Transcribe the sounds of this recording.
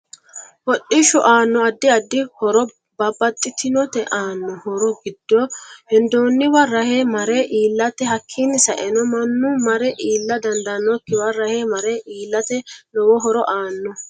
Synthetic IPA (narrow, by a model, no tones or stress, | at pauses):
wɔɗɪʃɔʔaːnːɔɐd̪ːɪɐd̪ːɪhɔɾɔ | bɐbːɐt̪ʼːɪt̪ɪnɔt̪ɛʔaːnːɔhɔɾɔɡɪd̪̥ːɔhɪnd̪oːnːɪwɐrɐheːmɐɾeʔiːlːɐt̪ɛɦɐkʰːinːɪsɐʔɛnɔmɐnːʊmɐɾɛʔiːlːɐd̪ɐnd̪ɐnɔkːɪwɐrːɐheːmɐɾeːʔiːlːɐt̪ɛlɔwɔɦɔɾɔʔaːnːɔ